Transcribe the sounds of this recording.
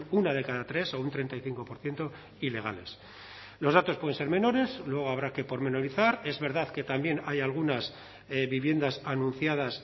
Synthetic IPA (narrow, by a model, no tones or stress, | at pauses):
nunað̞e̞kaðat̪ɾe̞so̞unt̪ɾe̞nt̪ajθiŋko̞po̞ɾθje̞nt̪o̞ | ile̞ɣ̞a̰le̞̰s | lo̞zðat̪opwee̞nse̞ɾmẽ̞no̞ɾe̞slwe̞ɣ̞o̞aβ̞ɾake̞po̞ɾme̞no̞ɾiθaɾe̞zβe̞ɾð̞aðke̞t̪ambje̞najalɣ̞unas | βiβje̞nd̪asanũn̟θjað̞as